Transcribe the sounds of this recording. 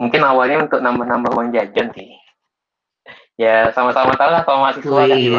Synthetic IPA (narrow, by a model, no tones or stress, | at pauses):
muŋkɪnawalɲaunt̪ʊk̚nambahnambahwaŋd͡ʒad͡ʒansɪh | jasamasamat̪alahkalomasɪsuaka